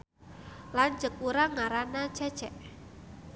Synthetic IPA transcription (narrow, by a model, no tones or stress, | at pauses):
land͡ʒək̚uɾaŋaɾanat͡ʃɛ̥t͡ʃɛʔ